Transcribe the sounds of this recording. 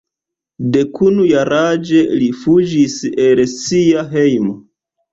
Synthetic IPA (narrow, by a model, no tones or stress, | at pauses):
de̞kunujaɾad͡ʒe̞lifud͡ʒise̞lsiaɦe̞jmo